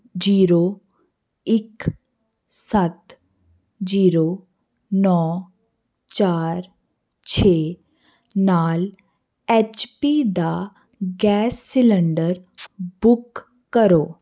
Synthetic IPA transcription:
d͡ʒiːɾo | ɪk | sət̪ | d͡ʒiːɾo | nɔː | t͡ʃaːɾ | t͡ʃʰeː | naːl | eːt͡ʃpid̪a | ɡɛːsːɪlə̃ɳɖəɾbʊkː | əɾoː

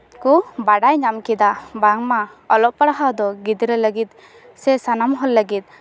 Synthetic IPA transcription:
kubaɽajɲamkɛd̪abaŋma | ɔlɔp̚paɽaɦad̪ɔɡid̪ɾələɡit̪̚ | sɛsanamɦɔlːəɡit̪̚

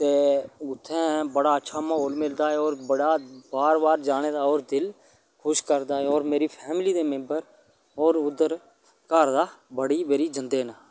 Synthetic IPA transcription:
t̪eːʊt̪ʰːɛ̃ːbəɽaːətːʃʰaːməɦoːlmɪld̪aːɦɛːɔːɾbəɽaːbaːɾbaːɾd͡ʒaːɽeːd̪aːɔːɾd̪ɪl | kʰʊʃkəɾd̪aːɦɛːɔːɾmeːɾiːpʰɛːmliːd̪eːmẽmbəɾ | ɔːɾʊd̪əɾ | kəɾd̪aːbəɽiːʋeːɾiːd͡ʒənd̪eːnaː

